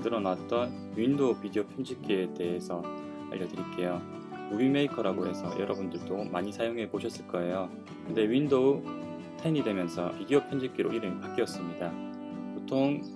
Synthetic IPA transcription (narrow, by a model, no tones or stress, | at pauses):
dɯɾʌnaat̚t͈ʌn | wɥindopidiopʰjʌnd͡ʑik͈iede̞ɦesʰʌ | a̰ʎːʌdɯɾik͈e̞jo | uimeikʰʌɾaɡoɦe̞sʰʌjʌɾʌbundɯɭdomaɲisʰajoŋɦepoɕʰʌs͈ɯɭk͈ʌe̞jo | kɯnde̞ɥindo | tʰainidwe̞mjʌnsʰʌidiopʰjʌnd͡ʑik͈iɾoʔiɾɯmpak͈iʌs͈ɯmɲida | potʰoŋ